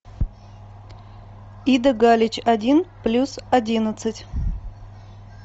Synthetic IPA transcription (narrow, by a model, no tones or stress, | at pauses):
id̪əɡalʲɪt͡ɕɐdʲinplʲusɐdʲinət̪sɨtʲ